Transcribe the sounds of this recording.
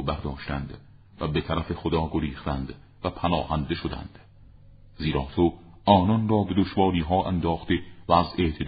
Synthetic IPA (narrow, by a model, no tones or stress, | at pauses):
bæɾd̪ɒːʃt̪ænd̪ | væbe̞t̪ʰæɾæfe̞xod̪ɒːɡo̞ɾiːχt̪ænd̪ | væpʰænɒːhænd̪e̞ʃod̪æ̰nd̪̥ | ziːɾɒːt̪ʰo | ɒːnɒnrɒːbe̞d̪oʃvɒːɾiːɦɒːʔænd̪ɒːχt̪e̞vææze̞ʔt̪ʰe̞d̪